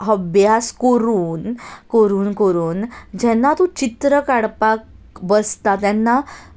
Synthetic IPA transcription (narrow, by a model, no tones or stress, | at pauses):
əbjaskəɾuːnkəɾuːnkəɾuːnd͡ʑɛnːat̪ũt͡ɕit̪ɾəkaɽpak | bəst̪at̪jɛnːa